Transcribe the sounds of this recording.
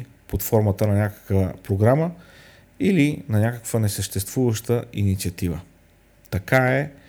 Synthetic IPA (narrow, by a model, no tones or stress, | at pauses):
pot̪fɔɾmət̪ənɐnʲakə̥kvəpɾoɡɾamə | ilinɐnʲakəkvənɛsəʃt̪ɛst̪vuvəʃt̪əinit̪siət̪ivə̰ | t̪ɐkaɛ